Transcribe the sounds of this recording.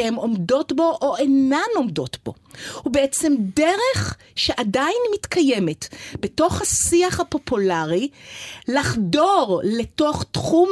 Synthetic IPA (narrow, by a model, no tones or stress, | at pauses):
hemo̞mdo̞tbo̞ʔoʔenano̞mdo̞tb̥o̞̰hubeet͡se̞mdeʁe̞χ | ʃeʔadajinmitkʰaje̞me̞tbeto̞χhasiaχhapo̞pʰulaʁilaχdo̞ʁleto̞χtχum